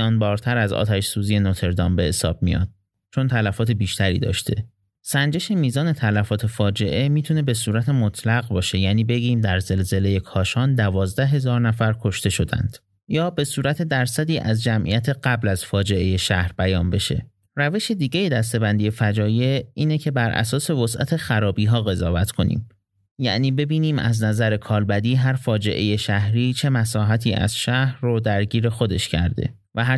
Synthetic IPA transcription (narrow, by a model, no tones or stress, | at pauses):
ɒːnbɒːɾt̪ʰæɾæzɒ̰ːt̪ʰæʃsuːzije̞not̪ʰe̞ɾd̪ɒːmbe̞he̞sɒ̰ːb̥̚mḭjɒ̰ːd̪̥̚ | t͡ʃʰo̞nt̪ʰælæfɒːt̪ʰe̞biːʃt̪ʰæɾḭːd̪ɒ̰ːʃt̪ʰe̞̰ | sænd͡ʒe̞ʃemiːzɒːne̞t̪ʰælæfɒːt̪ʰe̞fɒːd͡ʒe̞ʔe̞miːt̪ʰune̞be̞suːɾæt̪ʰe̞mot̪ʰlæɣbɒːʃe̞jæniːbe̞ɡiːmd̪æɾze̞lze̞le̞jekʰɒːʃɒːnd̪ævɒːzd̪æɦe̞zɒːɾnæfæɾkʰo̞ʃt̪e̞ʃo̞d̪æ̰nd̪̥ | jɒːbe̞suːɾæt̪ʰe̞d̪æɾsæd̪iːʔæzd͡ʒæmʔḭjæt̪ʰe̞ɢæblæz̥fɒːd͡ʒe̞ʔe̞je̞ʃæhɾbæjɒːnbe̞ʃe̞̰ | ræve̞ʃed̪iːɟe̞je̞d̪æst̪e̞bænd̪ije̞fæd͡ʒɒːje̞iːnecʰe̞bæɾʔæ̰sɒːse̞vosʔæ̰t̪ʰe̞xæɾɒːbiːɦɒːɣe̞zɒːvæt̪ʰkʰo̞nḭːm | jæ̰ʔniːbe̞biːniːmæ̰znæzæɾe̞kʰɒːlbæd̪iːɦæɾfɒːd͡ʒe̞̰ʔe̞je̞ʃæhɾiːt͡ʃʰe̞mæsɒːɦæt̪ʰiːʔæ̰z̥ʃæhɾːod̪æɾɟiːɾe̞xo̞d̪e̞ʃcʰæ̰ɾd̪ḛ | væɦæ